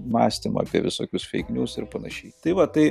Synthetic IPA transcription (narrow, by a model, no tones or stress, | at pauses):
mɑːsʲt̪ʲɪmɐ̰ɐ̰pʲḭɛʋʲɪsoːkʲʊsfʲɛ̰ɪknʲuːsɪɾpɐnɐʃʲɛɪt̪ɐɪʋɐt̪ɐɪ